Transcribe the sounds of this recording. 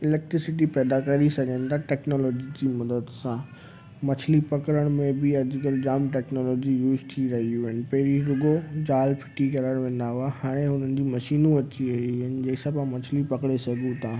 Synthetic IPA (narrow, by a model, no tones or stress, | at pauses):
ɪlɛːk̚ʈɾɪsɪʈipɛːd̪akɐɾisɐɡʱə̃nɪ̆t̪ʰaʈɛːknɔːlɔːd͡ʑid͡ʑiːmɐd̪əd̪sã | mɐt͡ɕʰlipɐkɾəɽ̃mẽbɪɐd͡ʑkəld͡ʑaːmʈɛːknɔːlɔːd͡ʑijuːzt̪ʰiɾɐɦiuʊɦɪnɪ̆pɐɦɪɾiɾʊɡod͡ʑaːlfʰɪ̥ʈikɐɾaɾʋẽːn̆d̪aɦʊahaːɽ̃ẽɦʊn̤ənɪ̆d͡ʑiːmɐʃiːnũɐt͡ɕiɐɦiɦənɪ̆d͡ʑɐːɪsãpːmɐt͡ɕʰlipɐkɽesɐɡʱũt̪ʰaː